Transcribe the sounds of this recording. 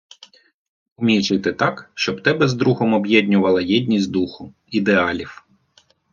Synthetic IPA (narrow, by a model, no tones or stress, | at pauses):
ʊmʲijt͡ʃɪt̪ɪt̪ɑkʃt͡ʃɔbt̪ɛbɛzd̪ɾuɦɔmɔbjɛd̪ʲnʲʊʋɐlˠɐjɛd̪ʲnʲisʲd̪uxʊ | id̪eɑlʲiw